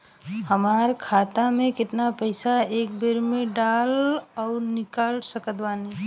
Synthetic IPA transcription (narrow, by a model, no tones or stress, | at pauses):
hɐmaːɾkʰaːt̪amẽkɪt̪napɛɪsaeːkbeɾmẽɖaːlɔːɾnɪkaːlsəkət̪ʋaːni